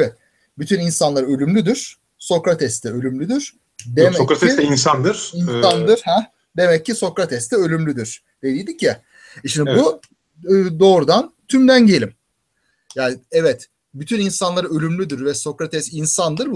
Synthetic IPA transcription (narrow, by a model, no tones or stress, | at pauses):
ɛt̪ | byt̪ʰyninsanlˠaɾø̞lʲymlʲyd̪yɾ̥ | so̞kɾat̪ʰɛst̪ʰɛø̞lʲymlʲyd̪yɾ̥ | d̪emɛkɾat̪ːɛinsand̪ɯɾ̥insand̪ɯɾhɛ | d̪e̞mɛcːiso̞kɾat̪ʰɛst̪ʰɛø̞lʲymlʲyd̪yɾ̥ | d̪̥e̞d̪ijd̪icʰːɪ | ʃimd̪ibuː | d̪o̞ːɾud̪ant̪ʰymd̪ænɟe̞lʲim | jaːnɪɛvɛt̪ | byt̪ʰyninsanlˠaɾɯø̞lʲymlʲyd̪iɾvɛso̞kɾat̪ʰɛsinsand̪ɯɾb